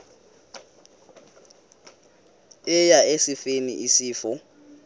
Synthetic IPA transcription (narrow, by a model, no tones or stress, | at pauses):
ɪjaesɪfenḭʔisiːfɔ